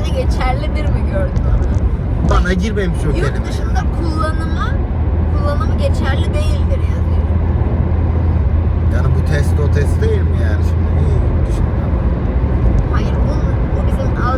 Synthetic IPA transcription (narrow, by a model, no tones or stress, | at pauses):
nɛɟe̞t͡ʃʰæɾlʲid̪iɾmiɟøɾd̪ymab̪banaɟiɾmejmiʃjoelʲimɯʃɯmd̪aɾkʰulˠːanɯma | kʰulˠːanɯmaɟe̞t͡ʃʰæɾlʲid̪e̞jilʲd̪iɾjazid̪ | janbut̪ʰɛst̪ʰot̪ʰɛst̪d̪ejilʲimjæːniʃimd̪ibiid̪iʃniama | hajɯɾbulˠmajɯmobizi | a